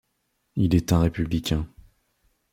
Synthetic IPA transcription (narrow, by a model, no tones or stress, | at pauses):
ilɛt̪ɛ̃ʁepyblikʲɛ̃